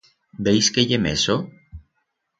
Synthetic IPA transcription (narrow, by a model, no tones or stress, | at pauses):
bejskeʎemeso